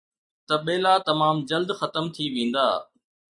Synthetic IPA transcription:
t̪ɐɓeːlat̪ɐmaːmd͡ʑɐld̪xɐt̪əmt̪ʰiʋẽːn̆d̪a̰ː

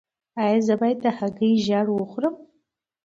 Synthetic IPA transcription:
ajazəbajd̪̚ahaɡɨjʒaɽwʊχʷɾəm

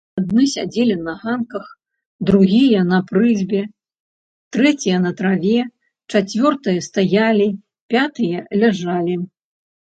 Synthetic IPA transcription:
ad̪̚nɨsʲad͡zʲelʲinɐɣankɐx | d̪ɾuɣʲijɐnɐpɾɨzʲbʲɛ | t̪ɾɛt͡sʲijɐnɐt̪ɾavʲɛ | t͡ʂat͡sʲvʲɔrt̪ɨjɐst̪ajalʲi | pʲat̪ɨjɐlʲaʐalʲi

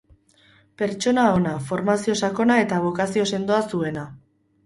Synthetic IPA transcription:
pe̞ɾt͡ʃo̞nao̞nafo̞ɾmasio̞sako̞nae̞t̪aβ̞o̞kasio̞se̞nd̪oasue̞na

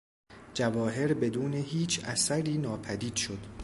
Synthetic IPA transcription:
d͡ʒævɒːɦe̞ɾbe̞d̪uːne̞ɦiːt͡ʃʰʔæsæɾiːnɒːpʰæd̪iːd̪̥ʃo̞d̪̥

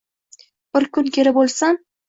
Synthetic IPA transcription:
b̥ɪɾkʊnkʲʰeɾɪbolˠsam

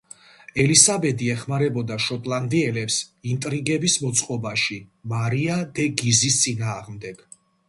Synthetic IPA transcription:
ɛlisabɛd̪iɛχmaɾɛbɔd̪aʃɔt̪ʼlˠand̪iɛlɛpsint̪ʼɾiɡɛbismɔt̪sʼqʼɔbaʃimaɾiad̪ɛɡizist̪sʼinaːʁmd̪ɛɡ̥

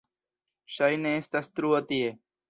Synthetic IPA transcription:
ʃəjnẽst̪ɐst̪ɾuət̪ieː

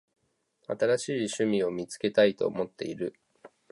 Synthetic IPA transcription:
at̪aɾaɕiːɕɨmʲio̞mʲit͡sɨ̥ke̞t̪ait̪o̞̰ːmo̞t̪ːe̞̰iɾɯ

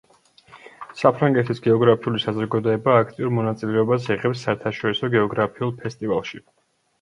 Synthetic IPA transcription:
sapʰɾaŋɡɛt̪ʰisɡɛɔɡɾapʰiulisazɾɔɡad̪ɔɛbaːkʰt̪ʼiuɾmɔnat̪sʼilɛɔbas̬ɛʁɛpsːaɛɾt̪ʰaʃɔɾisɔɡɛɔɡɾapʰiulˠpʰɛst̪ʼivalˠʃi

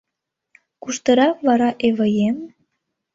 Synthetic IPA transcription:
kuʃt̪ə̆ɾɑkβɑɾɑʔeβəjem

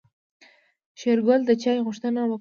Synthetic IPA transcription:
ʃeɾɡʊld̪ət͡ʃɑjɣʊʂt̪ənawa

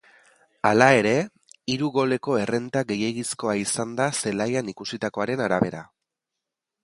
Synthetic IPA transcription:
alae̞ɾe̞ | iɾuɣo̞le̞ko̞e̞re̞nt̪aɡe̞je̞ɣisko̞aisand̪ase̞lajanikusit̪ako̞aɾe̞naɾaβe̞ɾa̰

